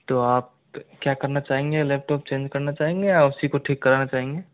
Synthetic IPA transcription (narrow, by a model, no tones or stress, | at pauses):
t̪oaːp̚ | kjakəɾnat͡ʃaːɦẽŋɡeleːp̚ʈoːp̚t͡ʃẽːnd͡ʒkɐɾnat͡ʃaːɦẽŋɡejaʊsikoʈʰiːkːəɾanat͡ʃaːɦẽŋɡe